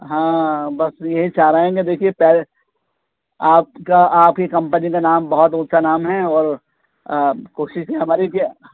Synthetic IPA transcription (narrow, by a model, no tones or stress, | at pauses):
ɦãːbɐsjɐɦit͡ʃaːɾɐɦẽɡed̪eːkʰiepɛɦle | aːpkaaːpkikɐ̃mpənikanaːmbɐɦɔt̪ʊt̪sʰanaːmɦɛɔːɾ | koːʃɪʃkiɦɐmaːɾikː